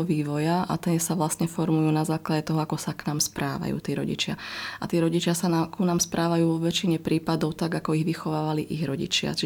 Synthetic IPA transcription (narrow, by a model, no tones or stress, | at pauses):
ɔʋiːʋɔjaʔa̰t̪ɛsaʋlasɲɛfɔɾmujuːnazaːklaɟɛt̪ɔɦɔakɔsaknaːmspɾaːʋa̰jṵːt̪iːɾɔ̰ɟḭt͡ʃɪaʔat̪iːɾɔɟit͡ʃɪasanakunamspɾʔaːʋajuːʋɔʋɛt͡ʃiɲɛpɾiːpad̪ɔʊt̪aɡakɔiɣʋixɔʋaːʋaliʔiɣɾɔɟḭt͡ʃɪa̰t͡ʃi